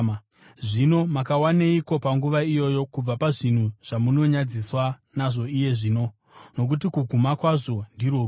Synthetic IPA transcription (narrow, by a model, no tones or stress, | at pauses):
ʐino̞makawaneiko̞paŋɡuʋaijo̞jo̞kub͡vapaʐin̤uʐ̥amuno̞ɲad͡ziswa | naʐo̞ije̞ʐiːno̞ | no̞k̬ut̬ikuɡʱumakwaʐo̞ndiɾoː